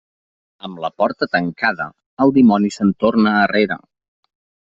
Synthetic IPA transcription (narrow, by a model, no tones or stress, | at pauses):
əmləpɔɾt̪ət̪əŋkaðə̰ | əlˠd̪imɔnisənt̪ornəːreɾə̰